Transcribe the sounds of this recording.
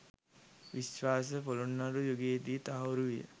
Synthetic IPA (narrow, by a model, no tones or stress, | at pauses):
ʋisʋaːs̬əfolunːaɾujoɡeːt̪iːt̪aɦoɾuʋijə̰